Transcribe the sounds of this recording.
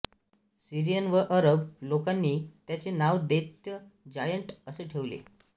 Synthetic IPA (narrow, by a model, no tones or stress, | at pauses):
siɾijənʋəʔəɾəblokanːiːt̪jat͡senaʋd̪et̪jəd͡ʑajəɳʈəseʈʰeʋlḛ